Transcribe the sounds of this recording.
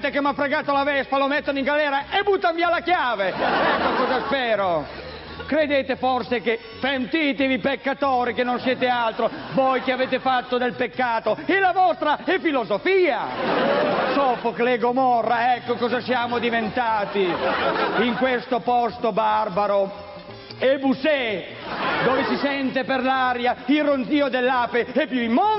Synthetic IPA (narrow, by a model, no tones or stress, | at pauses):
t̪ekemːafɾeɡaːt̪oalavɛspalomet̪ːonoiŋɡalɛːɾaebut̪ːanvialakjaːveɛkːokɔzaspɛːɾo | kɾed̪eːt̪eforseke | fent̪iːt̪evipekːat̪oːɾikenːonsjɛːt̪ealt̪ɾovojkeaveːt̪efat̪ːod̪elpekːaːt̪oelavɔst̪ɾaɛfilozofiːa | sɔːfokleɡomɔrːaɛkːokɔːzasjaːmod̪ivent̪aːt̪i | iŋkwest̪opɔst̪obarbaɾo | ebusɛ | d̪oːvesisɛnt̪eperlaɾjailront̪iːod̪elːaːpeɛpːjuimːɔ